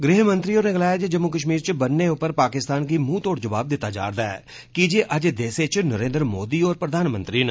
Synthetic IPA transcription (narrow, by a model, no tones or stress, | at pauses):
ɡɾiːɦmə̃nt̪ɾioːneɡəlaːjad͡ʒed͡ʒəmːuːkəʃ̬miːɾt͡ʃbənːeʊpːəɾpaːkɪst̪aːnkimũːt̪oːɽd͡ʒəʋaːb̚d̪ɪt̪ːaːd͡ʒa̰ːɾd̪aːɛ̰ː | kid͡ʒeːʔəd͡ʒd̪eːset͡ʃnəɾẽːnd̪ɾəmoːd̪iːɔːɾpɾəd̪ʱaːnmə̃nt̪ɾinə